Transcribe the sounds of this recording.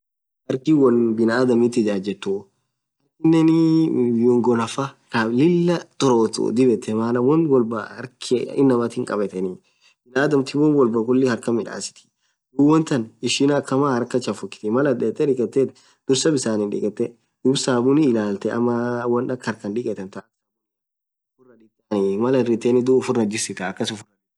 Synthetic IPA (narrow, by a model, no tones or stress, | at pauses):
hɐɾkɪwɔnbɪnaːd̪ɐmɪt̪ːɪd͡ʒaːd͡ʒɛt̪ːu | hɐɾkɪnːɛnɪjɔŋɡɔnɐfakɐlɪlːɐt̪ʼɔɾot̪ṵd̪ɪbɛt̪ːɛmaːnɐwɔnwɔlbaɐɾkʰeɪnːɐmɐt̪ɪŋkʼɐbɛt̪ɛni | b̥ɪnaːd̪ɐmt̪ɪwɔnwɔlbɐkʊlːɪhɐɾkɐmɪᶑa̰ːsɪ̥t̪ɪ̥ | d̪uːwɔnt̪ɐnɪʃɪnɐkːɐmaːhɐɾkɐt͡ʃːɐfʊkːɪ̥t̪ɪmɐlɐnᶑɛt̪ːɛᶑɪkʼɛt̪ːɛt̪ | d̪̥ʊɾsɐbɪsaːnɪnᶑɪ̰kʼɛt̪ːɛ | d̪̥ʊbsaːbʊnɪːlaːlt̪ɛʔɐ̰mːɐwɔnᶑɐkhɐɾkɐnᶑɪkʼɛt̪ːɛnt̪asa | ʊfʊɾnɐᶑɪt̪ːanɪmɐlɐɪrɪt̪ːeːnɪd̪uːfʊɾnɐd͡ʒɪsɪt̪ɐːkːɐsʊfʊrɐ